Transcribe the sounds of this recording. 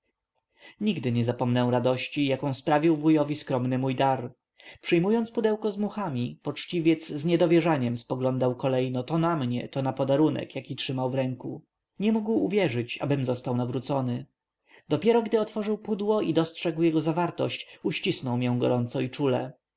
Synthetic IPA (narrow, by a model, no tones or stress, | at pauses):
ɲiɡd̪ɘɲɛzapɔmnɛw̃ɾad̪ɔɕt͡ɕijakɔ̃w̃spɾavʲiwvujɔvʲiskɾɔmnɘmujd̪aɾ | pʂɛjmujɔnspud̪ɛwkɔzmuxamʲipɔt͡ʂt͡ɕivʲjɛt̪zzɲɛd̪ɔvʲjɛʐaɲɛmspɔɡlɔnd̪awkɔlɛjnɔt̪ɔnamɲɛ̰t̪ɔnapɔd̪aɾunɛ̰kjakʲitʂɘmawvɾɛŋkṵ | ɲɛmuɡwuvʲjɛʐɘt͡ɕa̰bɘmzɔst̪awnavɾut̪sɔnɘ | d̪ɔpʲjɛɾɔɡd̪ɘɔt̪fɔʐɘwpud̪wɔid̪ɔstʂɛɡwjɛɡɔzavaɾt̪ɔ̰ɕt͡ɕuɕt͡ɕisnɔwmʲjɛw̃ɡɔ̰ɾɔnt̪sɔit͡ʂulɛ̰